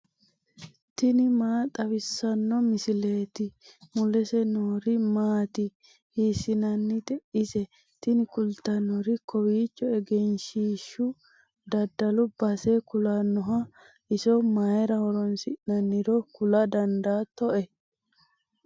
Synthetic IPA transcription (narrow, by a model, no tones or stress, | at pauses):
t̪ɪnɪmaːt̪ʼɐwɪsːɐnːɔmɪsɪleːt̪ɪmʊlɛsɛnoːɾɪmaːt̪ɪ | hiːsɪnɐnːɪt̪ɛʔɪsɛ | t̪ɪnɪkʊlt̪ɐnːɔɾɪkɔwiːt͡ʃːɔɛɡɛnʃiːʃːʊ | d̪ɐd̪ːɐlʊbɐsekʊlɐnːɔɦɐ | ʔɪsɔmajɛɾɐwɔɾɔnsɪʔnɐnːɪɾɔkʊlɐd̪ɐnd̪aːt̪ɔʔɛ